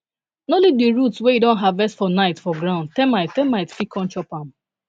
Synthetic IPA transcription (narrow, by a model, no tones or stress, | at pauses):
nolivdiɹutsweidɔ̃nɦavvɛstfɔnaɪtfɔɡɹãʊ̃nd̚tɛ̃maɪttɛ̃maɪtfikʰɔ̃nt͡ʃɔpãm